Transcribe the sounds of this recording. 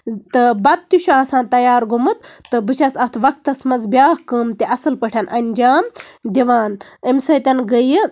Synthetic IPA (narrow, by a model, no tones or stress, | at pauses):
t̪ɨbɐt̪̚t̪ʲuʃuaːsãːnt̪ɐjaːɾɡumɨt̪̚ːɨbɨt͡ʃʰɐsɐt̪ʰʋɐk̚t̪ɐsmɐzbjaːhkɨːmt̪ʲeʔɐsɨlpɐʈʰɐnʔɐnʲd͡ʒaːmd̪ʲiʋaːnəmsɐt̪ʲɐnɡəjɨ